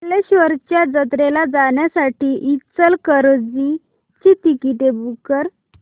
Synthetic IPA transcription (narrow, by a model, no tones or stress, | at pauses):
leɕʋəɾt͡ɕjad͡zət̪ɾelad͡zaɳjasaʈiːʔit͡səlkəɾod͡zi | t͡ɕit̪ikiʈ̪ebukəɾ